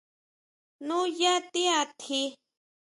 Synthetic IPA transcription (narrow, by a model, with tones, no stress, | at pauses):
nũ˦ja˦t̪i˦a˧t̪ʰi˦